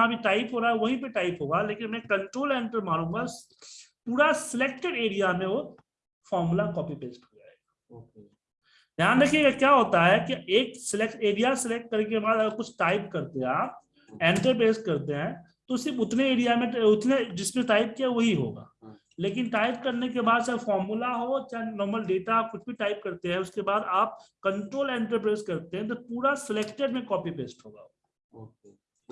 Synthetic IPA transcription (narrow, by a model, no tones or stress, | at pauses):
ãbʱiʈaːɪpɦoːɾaɦɛʋɐɦipeʈaːɪpɦoːɡaleːkɪnmɛ̃kɐ̃ɳʈɾoːlɛ̃ːɳʈəɾmaːnɦũːɡa | puːɾasɪlek̚ʈɪɽeːɽijamẽo | fɔːɾmulakɔːpipeːskɾd͡ʒaːeːɡaː | jɐɦãd̪ekʰieːɡekjaːɦoːt̪aɦɛkieːksɪlekʈeːɽijasɪlek̚ʈ̚kɐɾek̬ebaːd̪ɐɡəɾkʊt͡ʃʰʈaːɪpkɐɾt̪eaːp̚ | ɛ̃ːɳʈəɾp̬ɾeːsʈkɐɾt̪eɦɛ̃ | t̪osɪɾfʊt̪neeːɽijamẽʊt̪ned͡ʒɪsmẽʈaːɪp̚kiɛʋɐɦiɦo̰ːɡa̰ː | leːk̬ɪnʈaːɪp̚kɐɾnekebaːd̪t͡ʃafɔːɾmulaɦot͡ʃanɔːɾməlɖeːʈaaːp̚kʊt͡ʃʰbʱiʈaːɪp̚kɐɾt̪eɦɛ̃ʊskebaːd̪aːp̚kɐ̃ɳʈɾoːlɛ̃ːɳʈəɾpɾeːzkɐɾt̪eɦɛ̃t̪̬opuːɾasɪleːkʈeɖmẽkɔːpipeːsʈɦo̰ːɡa̰ː